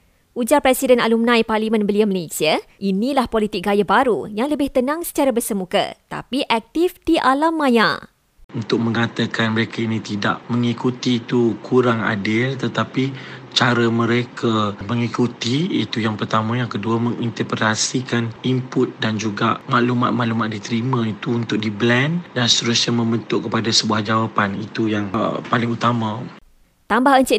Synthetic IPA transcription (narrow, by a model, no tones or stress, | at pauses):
ʔud͡ʒarpɾɛsidɛnalumnãjparlimə̃nbəliaməlesiaʔinĩlahpolit̪ɪk̚ɡajabaɾujaŋləbɪht̪ənãŋsə̥t͡ʃaɾabərsəmukə̰t̪a̰piʔɛk̚t̪ifdiʔalamːãja̰ | unt̪ʊk̚mə̃ŋat̪akanməɾekʰainĩt̪ida̰ʔmə̃ŋikut̪iːt̪ukʰuɾaŋa̰dɪlt̪ət̪apit͡ʃaɾəmə̃ɾekʰamə̃ŋikut̪iit̪ujaŋpərt̪amãjaŋkəduamə̃ŋint̪əpet̪asikanimpʊt̪̚dand͡ʒuɡaʔmaʔluma̰t̪̚mãʔlumat̪̚dit̪əɾimãit̪uːnt̪ʊk̚diblɛndanst̪əɾʊsɲamə̃mbənt̪ʊʔkːəpadasəbuahd͡ʒawapanit̪ujaŋpalɪŋut̪amã | t̪ambahəɲt͡ʃɪʔ